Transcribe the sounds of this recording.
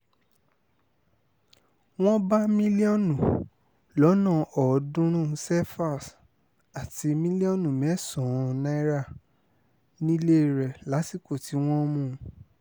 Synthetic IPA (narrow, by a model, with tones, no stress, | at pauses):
w̃ɔ̃˦ba˦mĩ˦li˦ɔ˦˨nũ˨ | lɔ˨˦nã˦˨ɔ˨dũ˦ɾ̃ũ˦˨sɛ˦fa˦˨s | a˨ti˧mĩ˦li˦ɔ˦˨nũ˨mɛ̃˨˦sɔ̃˨nã˦i˦ɾa˦˨ | nĩ˦le˦˨ɾɛ˨la˨˦si˦˨ko˦˨ti˨˦w̃ɔ̃˦mũ˦˧˨